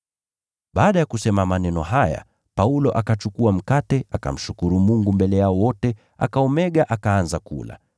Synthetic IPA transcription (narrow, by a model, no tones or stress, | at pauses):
ɓaːɗajakusɛmamanɛnɔɦaja̰ | paulɔʔakat͡ʃukuam̩katɛaka̰m̩ʃukuɾumuŋɡumbɛlɛjaɔwɔtɛ | a̰kaɔmɛɠaʔakaanzakṵla̰